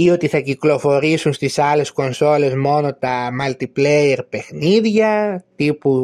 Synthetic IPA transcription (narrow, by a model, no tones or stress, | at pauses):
io̞t̪iθɐciklo̞fo̞ɾisunst̪isɐle̞sko̞nso̞le̞zmo̞no̞t̪ɐmɐlt̪iplejeɾpe̞xniðʝɐt̪ipu